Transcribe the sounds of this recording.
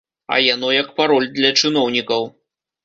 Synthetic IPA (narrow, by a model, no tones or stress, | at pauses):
ɐ̰janɔjɐkpaɾɔlʲd̪lʲɐt͡ʂɨnɔwnʲikɐw